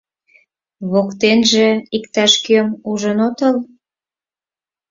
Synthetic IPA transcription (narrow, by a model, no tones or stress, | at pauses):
βokt̪enʒeikt̪ɑʃkømuʒənot̪əl